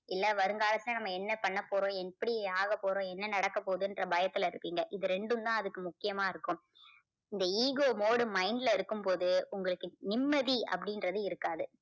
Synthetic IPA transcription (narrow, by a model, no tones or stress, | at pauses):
ɪlːɐʋɐɾɯŋɡaːlɐsɪnɐnɐmːɐɛnːɐpɐɳːɐpːoːɾõːɛpːɐɽɪjeaːɣɐpːoːɾõːɛnːɐnɐɽɐkːɐpːoːðɯɛndrɐbɐjɐt̪ːɪlɐɪɾɯpːiːŋɡɐʔɪðɯɾɛɳɖɯmt̪ãːɐðɯkːɯmʊkːɪjɐmaːɪɾɯkːɯm | ɪnd̪ɐiːɣoːmoːɽɯmɐɪnɖɪlɐɪɾɯkːɯmpoːðɯʊŋɡɐɭɯkːɯnɪmːɐðiɐ̰pːɐɽɪnɾɐðɯɪɾɯkːaːðɯ